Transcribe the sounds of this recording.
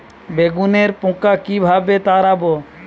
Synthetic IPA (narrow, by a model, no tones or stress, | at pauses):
beɡuneɾpõkakibʱabet̪aɾabo